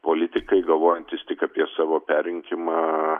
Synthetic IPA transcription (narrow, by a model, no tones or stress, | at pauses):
poːlʲɪt̪ʲɪkɐɪɡɐlˠʋoːjɛnʲt̪ʲɪst̪ʲɪkɑpʲiɛsɑːʋoːpʲæːɾʲɪŋʲkʲɪmɑː